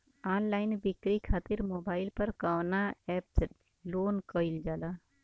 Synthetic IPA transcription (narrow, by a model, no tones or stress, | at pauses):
aːnlaːɪnbɪkɾikʰaːt̪ɪɾmoːbaːɪlpəɾkaːwnaɛːps | loːnkəɪld͡ʒaːlaː